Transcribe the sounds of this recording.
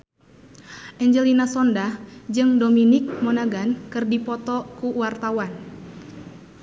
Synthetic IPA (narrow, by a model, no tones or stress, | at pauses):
ʔɛɲd͡ʒɛlinasɔndad͡ʒɨŋdominɪk̚mɔnaɡankɨrdipɔt̪ɔkuwart̪awan